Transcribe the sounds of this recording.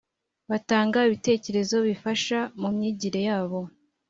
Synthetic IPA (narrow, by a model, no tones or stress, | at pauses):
βataːŋɡaiβite̞ːce̞ɾe̞zo̞βifaʃamumɲiːɟiɾe̞jaːβo̞